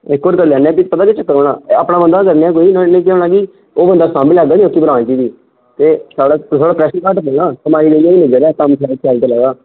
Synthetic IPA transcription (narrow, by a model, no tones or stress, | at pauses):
ekːoɾkəɾlɛːnɛ̃ːpipət̪ãːket͡ʃəkːəɾoːɽã̰ːəːpɽãːbənd̪aːkəɾneɛ̃ːk̬oːiːnnẽːkɛoːnaːkiː | oːbənd̪aːsãːmɪlɛːɡaːnioːkːibəɾãːnt͡ʃiːd͡ʒiː | t̪eːsaːɽaːt̪ʰoːɽaːpɾɛːʃənkaːʈpəːnaːkəmaːiːd̪eãːinəd͡ʒəɾɛːkəmkʰɛːlkʰɛːlt̪eːlɛːɡaː